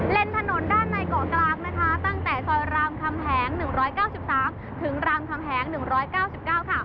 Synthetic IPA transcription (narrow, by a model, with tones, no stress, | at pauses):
le˧nt̪ʰa˧no˩˦ndaː˥˩nːa˧jkɔː˨˩˦ŋklaː˧k̚na˦˥kʰa˦˥t̪a˥˩ŋt̪ɛː˨˩sɔː˧˩jɾaː˧mkʰa˧mhʰɛː˩˦ŋnɯ˨˩ŋɾɔː˦˥jkaː˥˩wsi˨˩p̚saː˩˦m | t̪ʰɯ˩˦ŋɾaː˧mkʰa˧mɦʰɛː˩˦ŋnɯ˨˩ŋɾɔː˦˥jkaː˥˩wsi˨˩p̚kaː˥˩wkʰa˥˩